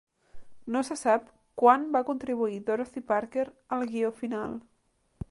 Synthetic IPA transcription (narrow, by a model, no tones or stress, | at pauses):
nosəsap | kwanbakunt̪ɾiβ̞uiðoɾoθipaɾkeɾəlˠɣiofinalˠ